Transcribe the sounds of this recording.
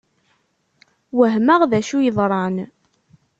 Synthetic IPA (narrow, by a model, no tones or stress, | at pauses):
wəɦməʁðæʃujəðˤɾˤɑn